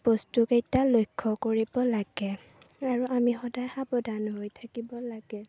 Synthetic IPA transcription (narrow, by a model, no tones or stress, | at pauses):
bostukejtalojkʰːɔkoɹibɔlaɡ̥ɛ | aɹuʔamixɔdajxabɔdʱanɦojtʰakibɔlaɡɛ